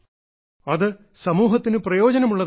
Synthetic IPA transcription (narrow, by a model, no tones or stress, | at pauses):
ɐðɨ | sɐmuːɦɐt̪ːinɨprɐjo̞ːd͡ʑɐnɐmuɭːɐð